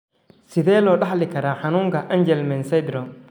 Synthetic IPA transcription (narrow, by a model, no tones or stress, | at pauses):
sɪðɛːlɔːɖɑħlɪkʰɐɾaːħɑnuːŋkʰɐʔɐnd͡ʒɛlmɛnsɐjd̪ɾɔm